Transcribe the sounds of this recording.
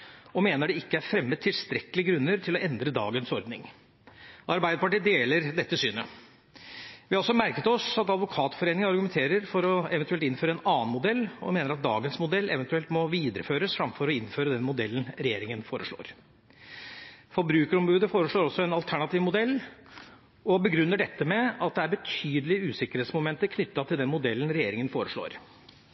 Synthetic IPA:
ɔmeːnəɖɛɪkːəæɾfɾɛmːət̪ʰɪlst̪ɾɛkːəlɪəɡɾʉnːəɾt̪ʰɪlɔʔɛnd̪ɾəd̪ɑ̰ːɡənsɔɾd̪nɪ̰ŋ | ʔɑɾbæɪd̪əpɑʈiːd̪eːləɾd̪ɛt̪ːəsyːnə | ʋɪhɑɔlsɔmæɾkət̪ɔsɑt̪ɑd̪ʋʊkʰɑːt̪fɔɾeːnɪŋənɑɾɡʉmɛnt̪ʰeːɾəɾfɔɾɔɛʋɛnt̪ʉɛlt̪ɪnføːɾəɛnɑːnmʊd̪ɛlːɔ̰meːnəɾɑt̪̚d̪ɑ̰ːɡənsmʊd̪ɛlːʔɛ̰ʋɛnt̪ʉɛlt̪mɔʋiːd̪əɾəføːɾəsfɾɑmfɔɾɔɪnføːɾəd̪ɛnmʊd̪ɛlːənɾɛjeːɾɪŋənfoːɾəʂɭo̰ːɾ | fɔɾbɾʉːkəɾɔmbʉːd̪əfoːɾəʂɭoːɾɔsːɔɛnɑlt̪ʰæɳɑt̪iːʋmʊd̪ɛlː | ɔbəɡɾʉnːəɖɛt̪ːəmɛɑt̪̚d̪ɛæɾbət̪ʰyːd̪əlɪʉːsɪkəɾheːt̪smʊmɛnt̪əɾkʰnʏt̪ːɑt̪ʰɪld̪ɛnmʊd̪ɛlːən̩ɾɛjeːɾɪŋənfoːɾəʂɭo̰ːɾ

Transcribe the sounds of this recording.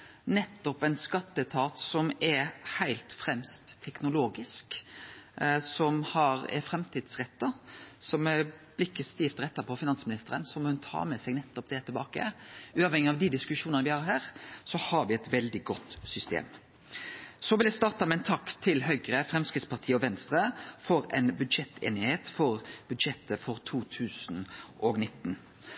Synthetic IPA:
nɛt̪ːɔpɛɪnskɑt̪ːət̪ʰɑːt̪sɔmɛɾhæɪlt̪fɾɛmst̪ʰːɛknʊloːɡɪsk | sɔmhɑɾɛ̰fɾɛmt̪ʰiːd̪̥sɾɛt̪ːɑsɔmɛɾb̥lɪkːəst̪iːft̪ɾɛt̪ːɑpʰɔfɪnɑnsmɪnɪst̪əɾənsɔmɔhʉnt̪ʰɑ̰ːmɛsɛɡnɛt̪ːɔp̚d̪ɛt̪ʰɪlbɑ̰ːkə̰ʉːɑʋhɛŋːɪɑʋd̪id̪ɪskʉʂuːnənəʋɪhɑɾhæːɾsɔhɑɾʋɪɛt̪ʋɛld̪ɪɡɔt̪ːsʏst̪ḛːm | sɔʋɪlɛst̪ɑːɾt̪ɑmɛɛnt̪ʰɑkːt̪ʰɪlɦœʏɡɾəfɾɛmskɾɪt̪spʰɑʁt̪ʰiːəɔʋɛnst̪ɾəfɔɾɛ̰ɪnbʉd̪ʃɛt̪ːʰḛːnɪheːt̪fɔɾb̥ʉd̪ʃɛt̪əfɔɾt̪ʰuːt̪ʰʉːsnʔɔɡnɪt̪ːn̩

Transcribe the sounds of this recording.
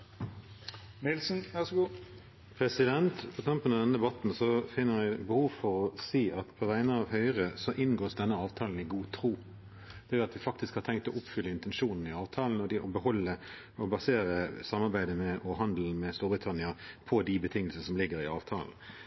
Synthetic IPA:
nɪlsn̩ʋæsɡu | pʰɾɛsɪd̪ɛnt̪pʰɔk̪ʰɑmpənɑd̪ɛnəd̪ɛbɑt̪n̩sɔfɪnːəɾʋɪbəhuːʋfɔɾɔsiːʔɑt̪pʰɔʋæɪnəɑʋɦœʏʁəsɔʔɪnɡoːsd̪ɛnːəɑːʋt̪ʰɑːln̩ɪɡuːt̪ʰɾuː | d̪̥ɛjʊɑt̪ʋɪfɑk̚t̪ɪskhɑɾtʰɛŋkt̪ɔʔʊpfʏlːəɪnt̪ɛnʃuːnn̩ɪɑːʋt̪ʰɑːln̩ɔd̪ɪʔɔbəɦɔlːə | ɔbɑseːɾəsɑmːɑʁbæɪd̪əmɛʔɔɦɑnd̪l̩mɛst̪uːbʁɪt̪ʰɑnɪɑpʰɔd̪ɪbət̪ʰɪŋːəlsəəsɔmlɪɡːəɾɪɑ̰ːʋt̪ʰɑ̰ːln̩

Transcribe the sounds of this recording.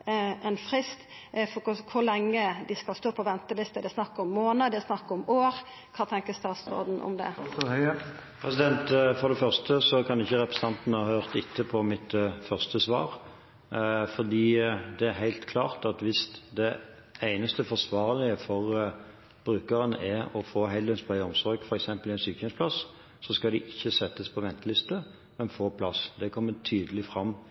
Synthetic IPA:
ɛnfɾɪst̪ | fɔkkʰʊlɛŋːəd̪ɪskɑlst̪oːpʰɔʋɛnt̪əlɪst̪əd̪ɛsnɑkːəɔmːoːnəd̪ɛsnɑkːɔmoːɾ | kʰɑːt̪ʰɛŋkəst̪ɑːt̪sɾo̰ːd̪n̩ʔɔ̰md̪ɛ̰ | pʰʁɛsɪd̪ɛnt̪fɔʁd̪ɛfœʁst̪əsɔkʰɑnɪçːəɾɛpɾəsn̩ʰɑnt̪nəhɑːhøːʁt̪ɪt̪ʰːəpʰɔmɪt̪fœʁst̪əsʋɑ̰ːɾ | fɔʁd̪iːd̪ɛæɾɦæɪlt̪kʰlɑːʁt̪ɑt̪ʋɪsd̪ɛ | æɪnəst̪əfɔsʋɑːʁlɪəfɔʁ | b̥ɾʉːkəʁənɛɾɔfoːɦɛɪld̪ənspʰlœɪɔmsɔɾɡfɔɾɛksɛmpəlɪæɪnsyːkəspʰlɑs | sɔskɑld̪ɪʔɪçːəsɛt̪ːəspʰɔʋɛnt̪əlɪst̪ə | mɛnfoːpʰlɑsd̪ɛkʰɔmːət̪ʰyːd̪əlɪfɾɑmː

